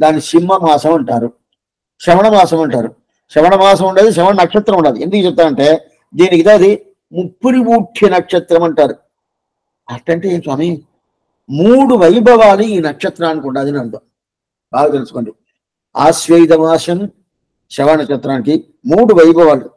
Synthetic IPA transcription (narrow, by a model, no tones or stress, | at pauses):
d̪aːnːiʃimːɐmaːsɐmɐɳʈaːɾu | ʃɐʋɐɳɐmaːsɐmɐɳʈaːɾu | ʃɐʋɐɳɐmaːs̬ɐmuɳɖaːd̪iʃ̬ɐʋɐɳɐnɐkʂɐt̪ɾɐmuɳɖaːd̪iend̪ukɐt͡ʃɛp̚t̪ːaːmɐɳʈe̞ː | d̪iːnikid̪aɐd̪i | mupːuɾiʋuːʈʰjɐnɐkʂɐt̪ɾɐmɐɳʈaːɾu | ɐʈːɐɳʈeeːnswaːmi | muːɽuʋɐjbʱɐʋaːluiːnɐkʂɐt̪ɾaːnikuɳɖaːd̪inɐɽut̪aːm | baːɡɐt̪elusu̥ko̞ːɳɖi | a̰ːsʋejd̪ʱɐmaːsɐm | ʃɐʋɐnɐkt͡ʃɐt̪ːɾaːniki | muːɽuʋɐjbʱɐʋaːlu